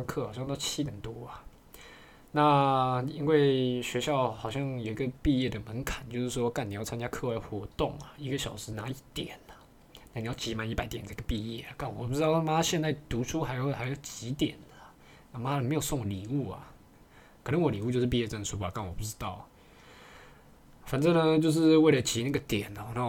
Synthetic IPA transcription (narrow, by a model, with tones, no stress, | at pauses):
ŋkʰɤ˥˧˨xɑ˨˩ʊɕɑ˥˧ŋ˧t̪ɑ˥˧t͡ɕʰi˦˥t̪jɛ˨˩nt̪wɔ˥ɐ˨ | na˥˨i˥nwe˥˩ɪɕɥɛ˧˥ɕjɑ˥˩ʊxɑ˨˩ʊɕ̬jɑ˥˩ŋjo˨˩i˧˥ɡə˧pi˥˧jɛ˥˩d̪ə˩mə˧˦nkʰa˨˩nt͡ɕjo˥˧ʊʂɻ̩˥˩ʂwɔ˥ka˥˩ni˨jʊt͡sʰa˥nt͡ɕja˥kʰɤ˥˧wa˥˩ɪxwɔ˧˥t̪ʊ˥˩ŋa˩i˧˥ɡə˧ɕjɑ˨˩ʊʂɻ̩˧˥na˧˥i˥˩t̪jɛ˨˩˦nə˦ | na˥˩ni˨jɑ˥˩t͡ɕi˧˥ma˧˥ni˧˥pa˧˥ɪt̪jɛ˨˩nd̪ə˧˥˩ɡə˩pi˥˧jɛ̰˥˩ka˥˩nwɔ˨˩pu˥˩ʈ͡ʂɻ̩˥t̪ɑ˥˩˧ma˥ɕjɛ˥˧nt͡sa˥˩ɪt̪u˧˥ʈ͡ʂʰu˥xa˧˥ɪjo˨˥xa˧˥ɪjo˧˨˩ʊt͡ɕi˧˥t̪jɛ˨˩nə˩ | na˥˩ma˦˥ə˨˩me˧˥ɪjo˨˩ʊsʊ˥˩ŋ˨li˨˩u˥˩ɐ̰˩ | kʰə˨˩nə˧˦ŋwɔ˨˦li˨˩u˥˧t͡ɕjʂɻ̩˥˧pi˥˧jɛ˥˧t͡sə˥˩nʂʰu˥ba˨˩ka˥˩nwɔ˨˩pu˥˩ʈ͡ʂɻ̩˥t̪ɑ˥˩ʊ | fa˨˩nt͡sə˥˩ŋnə˧t͡ɕjo˥˧ʊʂ̬ɻ̩˥˧we˥˩ɪlə˨t͡ɕʰi˧˥˦na˥˩ɡə˩t̪jɛ˨˩n˨˩na˥